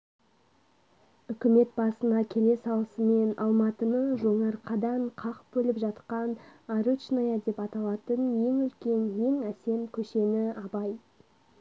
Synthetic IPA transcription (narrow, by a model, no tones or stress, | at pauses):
ʏkʲɪme̞t̪̚bɑsənɑkʲʰe̞le̞sɑlˠəsəme̞nɑ̰lˠmɑt̪ənəʒo̞ɴɑɾqʰɑd̪ɑɴqʰɑqbɵlɪpʒɑt̪qɑnaɾut͡ʃnajad̪e̞pɑt̪ɑlˠɑt̪ənje̞ŋʏlkʲe̞nje̞ŋæse̞mkʲʰɵʃe̞nɪɑbɑj